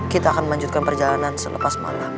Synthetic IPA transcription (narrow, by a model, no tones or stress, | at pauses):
kit̪aːkanməlaɲd͡ʒut̪̚kanpərd͡ʒalanansələ̰pasma̰la